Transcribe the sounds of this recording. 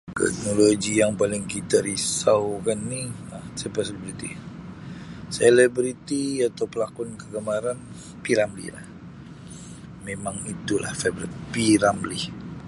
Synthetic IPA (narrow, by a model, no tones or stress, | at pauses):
t̪ɛ̰k̚noloɡijaŋpalɪŋkit̪aɾisawkanːiasɛpəselibɾit̪ḭ | selɛbɾit̪iat̪awpəlakʊnkəɡəmaɾan | piɾamlḭhla̰h | memaŋit̪ula̰hfebɾipiɾamlɪh